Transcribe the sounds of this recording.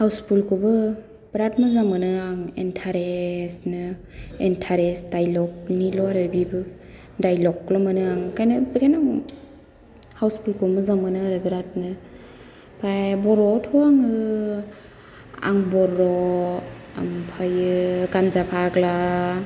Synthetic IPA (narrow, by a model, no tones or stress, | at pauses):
hawspʰulkʰubɯ | b̥ɾat̚mɯzamɯnɯaŋḛntʰaɾesnɯ | entʰaɾesdajlɔk̚nilɔaɾɯbibɯ | dajlɔklamɯnɯaŋkajnɯbkʰajna | hawspʰulkʰumɯzamɯnɯaɾɯbɾat̚nɯ | pʰajbɔɾɔtʰɔaŋɯ | a̰ŋbɔɾɔ | ampʰajɯɡanzapʰaɡla